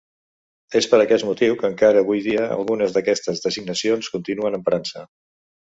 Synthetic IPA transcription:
espəɾəkɛsmut̪iwkəŋkaɾəːβ̞ujðiəə̰lˠɣunəzðəkɛst̪əzðəziɡnəsionskunt̪inuənəmpɾansə

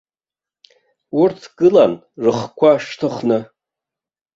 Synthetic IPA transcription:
urtʰɡ̥ɨlan | rɨχkʷʰaʃtʰɨχnɨ

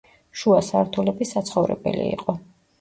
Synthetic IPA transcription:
ʃuasaɾt̪ʰulɛbisat̪sʰχɔvɾɛbɛlḭiqʼɔ

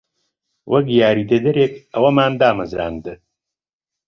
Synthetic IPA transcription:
wʔɐkjaːɾiːd̪ɐd̪ɐɾeːkɐwɐmaːnd̪aːmɐzɾa̰ːnd̪ɨ

